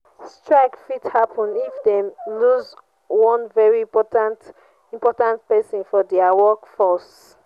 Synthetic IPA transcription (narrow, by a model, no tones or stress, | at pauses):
stɹaɪkfithapɔ̃nifdɛmluz | wɔ̃nvɛɹipɔtãnt | ĩmpɔtãnt̚pɛsɔ̃nfɔdɛawɔkfɔs